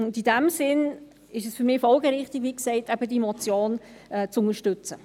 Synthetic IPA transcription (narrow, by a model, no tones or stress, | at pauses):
ʊdid̥æmsɪn | ɪʃɛsfyɾmɪːfɔlɡəɾɪχtɪɡʋiːksɛɪtæb̥ədimɔt͡sjoːn | ɛt͡sʊŋəʃtʉt͡sə